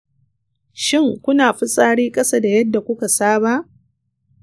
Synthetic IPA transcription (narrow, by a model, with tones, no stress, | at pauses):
ʃɪ˦˨ŋkʷʊ˦naː˨ɸi˦sʼaː˦ɽiː˦kʼɐ˦sa˦da˨jɐ˦dːa˨kʷʊ˦ka˨saː˦ba˦ʔ